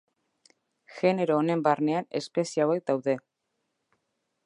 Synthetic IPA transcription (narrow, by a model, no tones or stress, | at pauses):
xe̞ne̞ɾo̞ːne̞mbarne̞ane̞spe̞siaβ̞aj̪̚d̪awðe̞